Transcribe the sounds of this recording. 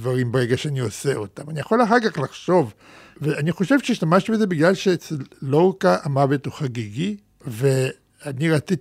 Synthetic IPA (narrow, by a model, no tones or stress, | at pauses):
vaʁimbeʁe̞ɡaʃeanio̞se̞o̞tamanijaχo̞laχaɡaχlaχʃo̞v | veaniχo̞ʃe̞vʃeiʃt̪amaʃt̪ibeze̞biɡlalʃeet͡selːoʁkaʔamavet̪uχaɡiɡi | ve̞ | aniʁat͡si